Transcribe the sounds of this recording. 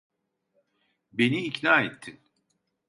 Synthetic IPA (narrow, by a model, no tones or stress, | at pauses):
be̞niːcnaːet̪ʰːin